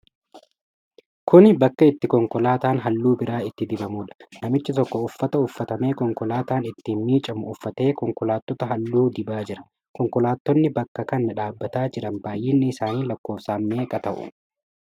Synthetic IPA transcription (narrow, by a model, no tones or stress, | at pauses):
kʰʊnbɐkːɐɪt̪ːɪkɔŋkɔlaːt̪aːnɦɐlːuːbɪɾaːɪt̪ːɪd̪ɪbɐmuːᶑɐ̥nɐmɪt͡ʃːɪt̪ɔkːɔʊfːɐt̪ɐʊfːɐt̪ɐme̞ːkɔŋkɔlaːt̪aːnɪt̪ːiːnmiːt͡ʃʼɐmʊʊfːɐt̪e̞ːkɔŋkɔlaːt̪ːɔt̪ɐɦɐlːuːd̪ɪbaːd͡ʒɪɾɐ̥ | kɔŋkɔlaːt̪ːɔnːɪbɐkːɐkɐnɐᶑaːbːɐt̪aːd͡ʒɪᶑɐnbaːjːeːnːɪɪsaːniːlɐkːo̞ːfsaːnme̞ːkʼɐt̪ɐʔʊ̰